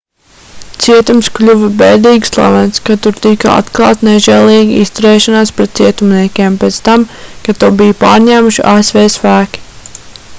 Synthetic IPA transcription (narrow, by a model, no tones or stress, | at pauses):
t̪siɛt̪umsklʲuvbɛːd̪iːɡslˠa̰vɛnskat̪uɾt̪ikaa̰t̪klˠɑ̰ːt̪nɛʒɛlˠiːɡʲiist̪uɾeːʃanaːspɾɛt̪̚t̪siɛt̪umniɛkʲeːmpeːt̪st̪amkat̪uwbijpaːɾɲæːmuʃiʔaːesvɛːsfæːkʲi̥